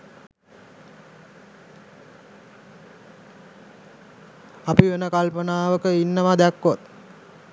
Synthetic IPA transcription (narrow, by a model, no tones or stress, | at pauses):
apiʋenəkalpənaːʋəkəinːəʋad̪ækːot̪̚